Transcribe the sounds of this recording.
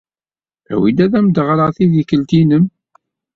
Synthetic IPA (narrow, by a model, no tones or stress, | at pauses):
æ̰wid̪æðæmd̪əʁɾəʁθiðikːəlt̪inəm